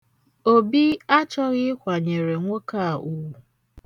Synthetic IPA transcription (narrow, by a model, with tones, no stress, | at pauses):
o˦bi˦a˦t͡ʃɔ˦ɣɪ˦kʷa˨ɲe˨ɾe˨ŋʷo˦ka˦˨ʔu˨wu˨